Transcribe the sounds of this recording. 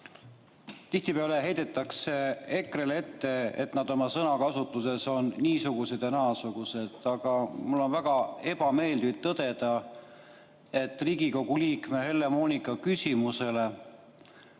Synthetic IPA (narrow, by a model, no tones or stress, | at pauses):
t̪iht̪ipeɑleɦe̞jd̪̥e̞t̪ːˑɑkse̞e̞krele̞t̪ːe̞ḛt̪nɑd̪̥o̞mɑsɤnɑkɑsut̪ːˑuse̞so̞nːiːsuɡ̥use̞d̪ɑnɑːsuɡ̥use̞d̪̥ɑɡ̥ɑmulːo̞nvæɡ̥ɑe̞b̥ɑme̞ːld̪id̪̚t̪ɤd̪̥e̞d̪̥ɑ | e̞t̪ːˑriːɡ̥iko̞ɡ̥uliːkme̞he̞lːe̞mo̞ːnikːˑɑkysʲimuse̞le̞